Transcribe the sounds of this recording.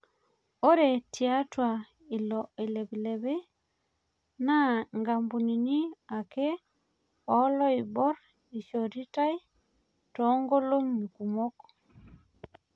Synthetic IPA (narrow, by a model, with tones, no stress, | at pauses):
o˦ɾe˨tia˦twa˨ | i˨lɔi˨le˨bi˨lɛ˨βe˦ | na˦ŋɡa˨mbu˨ni˨ni˦a˨ke˦ | ɔlɔ˦ibɔ˦ɾ | i˨ʃɔɾi˦ta˦j | tɔŋɡo˦lo˦ŋɲuku˨mɔ˦kɔ̥